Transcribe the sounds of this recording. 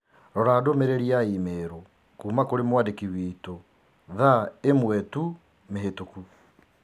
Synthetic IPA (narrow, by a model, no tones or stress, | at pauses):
ɾɔɾadomeɾeɾiaimeːɾo | kuːmakoɾemwadekiwiːto | ðaemwɛtu | meɦetoku